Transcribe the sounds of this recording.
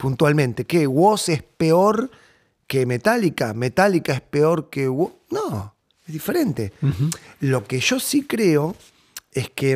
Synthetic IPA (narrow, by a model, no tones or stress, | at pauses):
punt̪walmẽnt̪e̞keɣwosespeoɾ | keme̞t̪alikame̞t̪alikaehspe̞o̞ɾkewono | ezðife̞ɾe̞nt̪e̞ | lo̞keʒo̞sikɾeo̞ | e̞ske